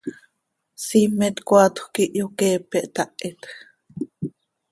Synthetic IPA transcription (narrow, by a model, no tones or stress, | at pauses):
simet̪kʷat̪u̥kiʔjokeːpeʔt̪aʔet̪